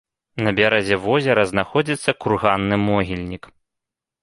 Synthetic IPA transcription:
nɐbʲaɾɛzʲɛvɔzʲɛɾɐznaxɔd͡zʲit̪sːɐkurɣanːɨmɔɣʲilʲnʲik

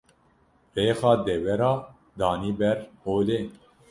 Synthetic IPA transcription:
reːxɑːd̪ɛwɛɾɑː | d̪ɑːniːbɛɾhoːleː

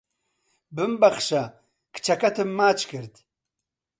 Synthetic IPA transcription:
bɨmbɐχʃɐ | kt͡ʃʰɐkɐt̪ʰɨmːaːt͡ʃkɨɾd̪

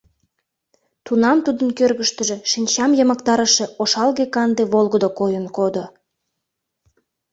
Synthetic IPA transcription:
t̪unɑmt̪ud̪ənkørɣəʃt̪əʒe̽ʃinʲt͡ɕɑmjəməkt̪ɑɾəʃeoʃɑlɣekɑnd̪eβolˠɣəd̪okojənkod̪o

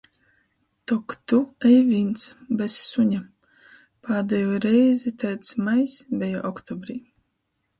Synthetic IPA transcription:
t̪ɔkt̪uɛjvint̪sbɛsːuɲa | pʰaːd̪ɛjoːɾɛjzit̪ɛjt̪smajsbʲɛja̰ːʔɔkt̪ɔbɾiː

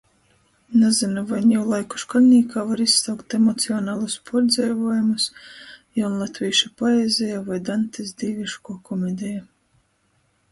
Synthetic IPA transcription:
nazinuvajnjawlˠajku̥ʃkalʲnʲiːkaːvaɾissawkt̪emɔt̪siɔnaːlˠuspʰɔɾd̪zɛjvuɔjumusjawnlˠat̪ʲvʲiːʃapaezʲɛjavajd̪ant̪isd̪iːvʲiʃkuɔkɔmɛd̪ʲɛja

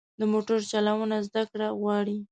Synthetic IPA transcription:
d̪əmoʈʊɾt͡ʃalawənazd̪akɽaɣwɑɽi

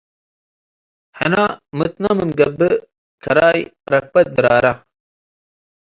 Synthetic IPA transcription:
hɐ̰namɨt̪namɨnɡɐbə | kʰɐɾaːjɾɐk̚pɐt̪̚d̪ɨɾaːɾa

